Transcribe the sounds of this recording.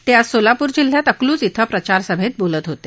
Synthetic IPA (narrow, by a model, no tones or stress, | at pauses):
t̪jasolapuːɾd͡ʑil̤ːjat̪əkluːt͡sit̪ʰəpɾət͡ɕaɾsəbʱet̪̚bolət̪ɦot̪e